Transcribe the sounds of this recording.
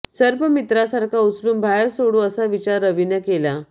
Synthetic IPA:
səɾpəmit̪ɾasaɾkʰaut͡sluːmbʱajəɭsoɽuəsaʋit͡ɕaɾːəʋinjəkela

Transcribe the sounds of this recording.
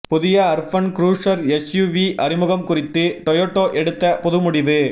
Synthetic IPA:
pʊðɪjɐɐɾfɐnkɾuːʂɐɾɛsjuːʋiʔɐrɪmʊɣɐmkʊrɪt̪ːɯʈɔjoːʈːoːʔɛɽɯt̪ːɐpʊðɯmʊɽɪʋɯ

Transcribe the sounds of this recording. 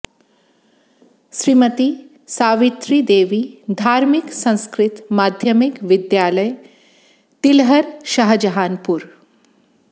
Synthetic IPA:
ʃɾimət̪i | saːʋit̪ɾid̪eːʋid̪ʱaːɾmiksɐ̃ñskɾɪt̪maːd̪ʱjɐmikʋɪd̪jaːlɐj | t̪ilɦɐɾʃɐɦd͡ʒɐɦaːnpuɾ

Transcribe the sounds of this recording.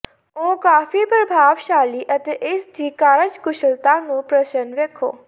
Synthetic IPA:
okaːfipɾəbʱaːʋʃaːliʔət̪eʔest̪ʰiːkaːɾəd͡ʒkʊʃəlt̪anũpɾəʃənʋekʰo̰ː

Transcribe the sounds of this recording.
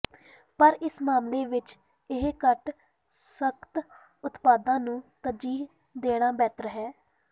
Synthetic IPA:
pəɾɪsmaːmleːʋɪt͡ʃ | ɪɦkəʈ | səkt̪ | ʊt̪paːd̪ãːnũːt̪əd͡ʒiːɦ | d̪eːɽ̃aːbɛːt̪ɾəɦɛː

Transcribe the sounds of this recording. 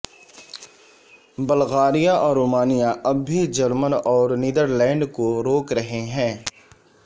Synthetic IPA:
bɐlɣaːɾijaʔɔːɾːoːmaːnijaʔɐbːid͡ʒɐɾmənɔːɾniːd̪əɾlɛ̃ːɳɖkoɾoːkɾɐɦeɦɛ̃ː

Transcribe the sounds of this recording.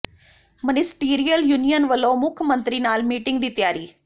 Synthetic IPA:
mənɪsʈiːɾijəljuːnijənʋəlːõːmʊkʰjmə̃nt̪ɾiːnaːlmiːʈɪŋɡd̪iːt̪ɪjaːɾiː

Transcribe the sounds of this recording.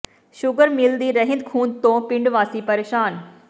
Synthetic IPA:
ʃʊɡəɾmɪlnd̪iɾɐɦẽnd̪kʰũːnt̪õpɪ̃ɳɖʋaːsipɐɾeːʃaːn

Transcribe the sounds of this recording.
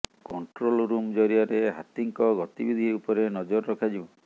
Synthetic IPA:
kɔɳʈɾolɾumd͡ʒɔɾiaɾeɦat̪iŋkɔɡɔt̪ibid̪ʱiupɔɾenɔd͡ʒɔɾːɔkʰad͡ʒiɔ̃

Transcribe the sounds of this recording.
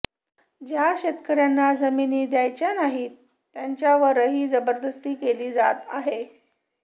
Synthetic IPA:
d͡ʑjaɕet̪kəɾjanːad͡zəminiːd̪jajt͡ɕjanaɦi | jaɲt͡ɕjaʋəɾəɦiːd͡zəbəɾd̪əst̪iːkeliːd͡za̰t̪a̰ɦe

